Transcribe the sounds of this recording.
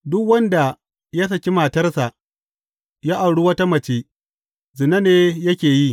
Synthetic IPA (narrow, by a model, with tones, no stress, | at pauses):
dʊ˦kwɐ˦nda˨ | ja˦s̬ɐ˨kʲi˦maː˨tɐ˦rsa˨ʔ | jaː˦ʔa˨wɽu˦wɐ˦ta˦mɐ˨t͡ʃe˦ | zɪ˨nɐ˦neː˦jɐ˦kʲeː˨ji˦